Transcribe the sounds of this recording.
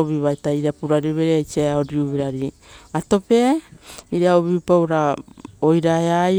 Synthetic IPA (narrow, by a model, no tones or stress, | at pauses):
oβiβajtaiɾiapuɾaɾiβeɾeajt͡ʃiaaoɾiuβeɾaɾi | ato̞pe̞iɾiaoβipawɾaojɾaea